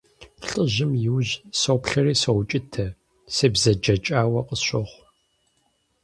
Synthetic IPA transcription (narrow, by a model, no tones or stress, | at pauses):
ɬʼəʑɪmjɪwʒsowpɬɐriːsɐwt͡ʃʼɪtʰɐ | sɨbzɐd͡ʒɐt͡ʃʼaːwɐqʼəɕʷɪʁʷ